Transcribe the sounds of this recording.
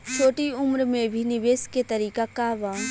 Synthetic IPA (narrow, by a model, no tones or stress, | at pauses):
t͡ʃʰoːʈiʊmɾmẽbʱinɪʋeːsket̪ɐɾiːkakaːʋã